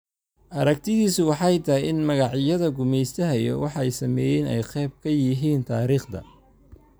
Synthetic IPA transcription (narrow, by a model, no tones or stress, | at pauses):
ʔɐɾɐk̚t̪ʰɪðiːsʊwɑħɑjt̪ʰɐjɪnmɐɣɑʕjɐðɐɡʊmɛjst̪ʰɐɦɐjɔ̰wɑħɛjsɐmɛːjɛnɛ̰jqɛːb̚kʰɐjɪɦiːnt̪ʰaːɾiːχd̪ɐ̰